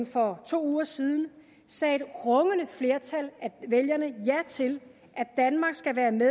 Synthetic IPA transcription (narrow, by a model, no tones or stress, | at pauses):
fɒ̽t͡sʰo̝̰ːuːɐsiːð̞ˠn̩ | sɛ̰ːe̝d̥ʁɔ̽ŋənəfle̝ɐt͡sʰælæʋeljɐnəjæt͡sʰe̝l | ʔæd̥ænmɑ̈ɡ̥sɡ̥æʋæːɐme